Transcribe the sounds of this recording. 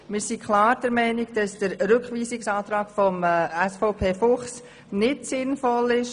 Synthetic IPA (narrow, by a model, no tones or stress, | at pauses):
mɪːɾsikχlɑːɾd̥əɾmɛɪniɡd̥ɑsd̥əɾɾʏkχʋiːsɪksɑːt̪ɾɑːɡ̥fɔmæsfɔʊpʰeːfʊχs | nɪtsɪnfɔlɪʃ